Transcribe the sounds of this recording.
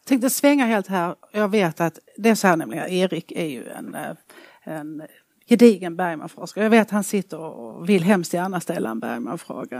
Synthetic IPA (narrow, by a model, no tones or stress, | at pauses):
t̪ʰɛŋkt̪əsvɛŋːaɦeːlt̪hæːɾɔjɑːɡveːt̪at̪d̪ɛæsɔhæːɾɳɛmlɪɡəneːɾɪkːæɾjɵ̰ɛ̰n | ɛn | jɛd̪iːɡənbæɾjma̰nfɾoːskajɑːɡveːt̪at̪hansɪt̪ːəɾɔvɪlːɦɛmst̪jæːɳast̪ɛlːa̰ɛnbæ̰ɾjma̰nfɾo̰ːɡa